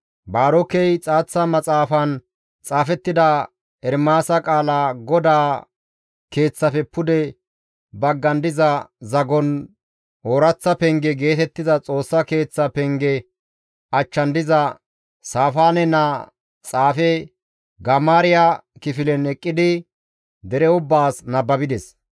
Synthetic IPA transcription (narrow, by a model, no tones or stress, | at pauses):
baːɾɔkːɛjt͡sʼaːt͡sːɐmɐt͡sʼaːfɐn | t͡sʼaːfɛt̪ːɪd̪ɐ | ɛɾmaːsɐkʼaːlaːɡɔd̪aː | ke̞ːt͡sːɐfɛpʊd̪ɛ | bɐɡːɐnd̪ɪzɐzɐɡɔn | oːɾɐt͡sːɐpɛŋɡɛɡe̞ːt̪ɛt̪ːɪzɐt͡sʼo̞ːsːɐke̞ːt͡sːɐpɛŋɡɛ | ɐt͡ʃːɐnd̪ɪzɐ | saːfaːnɛnɐ | t͡sʼaːfɛ | ɡɐmaːɾɪjakɪfɪlɛnɛkʼːɪd̪ɪ | d̪ɛɾɛʊbːaːsnɐbːɐbɪd̪ɛs